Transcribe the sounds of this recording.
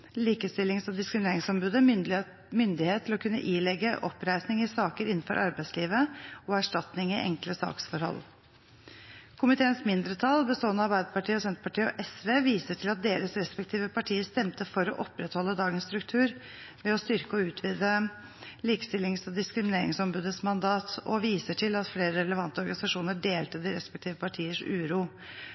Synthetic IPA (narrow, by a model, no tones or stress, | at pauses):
liːkəst̪ɪlɪŋsɑd̪ɪskɾɪmɪneːɾɪŋsɔmbʉːd̪ə | mʏnd̪ɪheːt̪ʰːɪlɔkʰʉnːə̰ʔiːlɛɡəʔɔpːɾæɪsnɪŋɪsɑːkəɾɪnːn̩fɔ̰ɾʔɑɾbæɪsliːʋəɔæʂʈɑt̪nɪŋɪʔɛ̰ŋkləsɑ̰ːksfɔɾhɔ̰l | kʰʊmɪt̪ʰeːənsmɪnd̪ɾət̪ʰɑlbəst̪oːɛnəɑɾbæɪd̪əpɑʈʰiːəɔsɛnt̪ɾə̥pɑʈʰiːɔ̰ʔɛsʋeːʋiːsəʈʰɪlɑt̪̚d̪eːɾəsɾɛspɛk̚t̪ʰiːʋəpʰɑʈʰiːəst̪ɛmt̪əfɔɾɔ̰ʔɔpɾɛt̪hɔlːəd̪ɑːɡənst̪ɾʉkt̪ʰʉːɾ | ʋɛɔst̪ʏɾkəɔʉːt̪ʰʋiːd̪ə | liːkə̥st̪ɪlːɪŋsɔd̪ɪskɾɪmɪneːɾɪ̰ŋsɔmbʉːd̪əsmɑnd̪ɑːt̪ɔ̰ʋiːsəʈʰɪlɑt̪fleːɾəɾɛləʋɑnt̪əɔɾɡɑnɪsɑʂuːnəɖeːlt̪əd̪ɪɾɛspɛk̚t̪ʰiːʋəpɑʈʰiːəʂʉːɾuː